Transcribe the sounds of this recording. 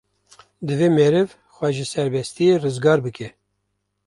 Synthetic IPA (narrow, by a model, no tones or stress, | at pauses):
d̪ɨveːmeɾɨv | xʷɛʒɨsɛɾbɛst̪ijerɨzɡɑːɾbɨkɛ